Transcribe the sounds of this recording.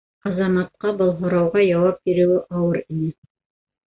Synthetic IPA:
ɑzɑmɑt̪̚qɑbɤlˠɦŏɾɑwʁɑjɑwɑp̚biɾɘ̆wɘʔɑwɤɾinɘ

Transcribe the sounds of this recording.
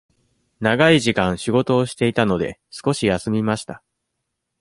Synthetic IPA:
naɡaiʑikãɰ̃ɕiɡo̞t̪o̞ːɕi̥t̪e̞it̪ano̞d̪e̞̰sɨ̥ko̞ɕijasɨmʲimaɕi̥t̪a

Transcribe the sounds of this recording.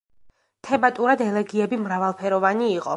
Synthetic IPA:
t̪ʰɛmat̪ʼuɾad̪ɛlɛɡiɛbimɾavalˠpʰɛɾɔvaniːqʼɔ

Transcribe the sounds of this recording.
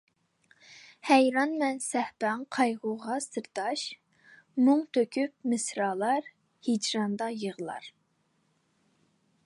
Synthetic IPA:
hɛjɾɑnmɛnsɛhbɛŋqʰɑjʁʊʁɑsɨɾt̪ɑʃ | muŋt̪ʰøkʲʰyp̚mɨsɾɑlˠɑɾ | hid͡ʒɾɑnd̪ɑjəʁlˠɑ̰ɾ

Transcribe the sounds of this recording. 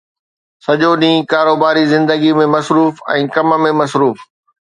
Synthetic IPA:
sɐʄoɗĩːkaːɾoːbaːɾizɪ̃nd̪əɡimẽmɐsɾuːfɛ̰̃ːkɐmə̆mẽmɐsɾuːf

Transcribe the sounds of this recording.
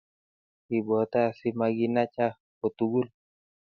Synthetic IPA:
ibɔt̪asimaɡinat͡ʃa | pɔt̪uɡul

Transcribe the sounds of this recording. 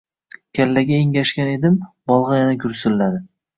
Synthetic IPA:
kʲʰalːaɡʲaeŋʲaʃkʲane̞d̪ɪm | bɒlˠʁɑjanakʲʊɾsɪlːad̪ɪ

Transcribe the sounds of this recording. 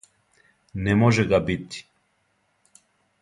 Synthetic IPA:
nɛmɔʒɛɡabit̪i̥

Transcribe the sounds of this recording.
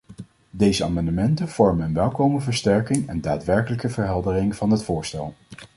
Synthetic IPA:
dejzəa̰ːmɑndəmɛntənv̥ɔɹmənənʋɛlˠkowməvəɹstɛɹkɪŋɛ̰ndaːtʋɛɹkələkəvəɹɦɛlˠdərɪŋv̥ɑnɦətfʊːɹstɛ̰lˠ

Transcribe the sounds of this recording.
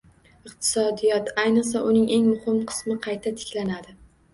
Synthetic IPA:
ɨqt̪ʰɪ̥sɒd̪ijɒt̪ʰajnɨqs̬aʔʊnɪŋʔe̞ŋmʊhɪmqʰɨ̥smɪqʰɑjt̪ʰat̪ʰɪ̥kʲlanad̪ɪ

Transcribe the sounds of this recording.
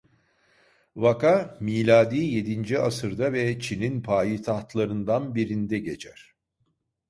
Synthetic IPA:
vakʰamiːlʲaːd̪iːje̞d̪ind͡ʒiasɯɾd̪avɛt͡ʃʰininpʰaːjit̪ʰaht̪lˠaɾɯnd̪anbiɾind̪ɛɟe̞t͡ʃʰæɾ̥

